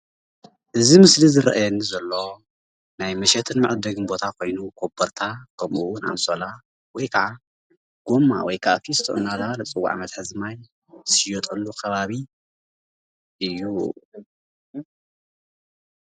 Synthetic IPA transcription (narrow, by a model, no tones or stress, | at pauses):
ʔɨzimɨslizɨɾɐ̰ʔajɛnːizɐlːo̞ | najmɐʃɛt̪ʰɨnmɨʕɨd̪ɐɡɨnbo̞t̪ʰakʰo̞jnukʰobɐɾt̪ʰakʰɐmuunʕa̰msola | wɔjkʰɐʕa | ɡ̥omːa̰wɔjkʰaʔakʰist̪ʰoʔɨ̰nːazaβalɐt͡sʼɨwːa̰ʕa̰mɐt̪ħɨzɨmaj | sɪjot̪ʼɐlːukʰɐβaβi | ʔɨjːu